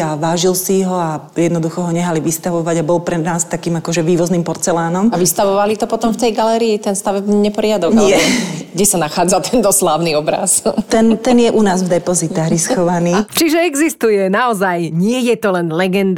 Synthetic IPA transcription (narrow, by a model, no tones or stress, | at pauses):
aʋaːʒilsiɦɔa | jɛd̪nɔd̪uxɔɦɔɲɛɦaliʋist̪aʋɔʋaɟabɔlpɾɛnaːst̪akiːmakɔʒɛʋiːʋɔznimpɔɾt͡sɛlaːnɔmaʋist̪aʋɔʋalit̪ɔpɔt̪ɔmft̪ɛjɡalɛɾiːt̪ɛnst̪aʋɛbɲɛpɔɾɪad̪ɔʋɲaɪɛɡɟɛsanaxaːd͡zat̪ɛnt̪ɔslaːʊniɔbɾa̰st̪ɛnt̪ɛnjɛʔunaːzvd̪ɛpɔzit̪aɣɾiskɔʋaniːt͡ʃiʒɛɛɡzist̪ujɛnaɔzajɲɪɛjɛt̪ɔlɛnlɛɡɛnd̪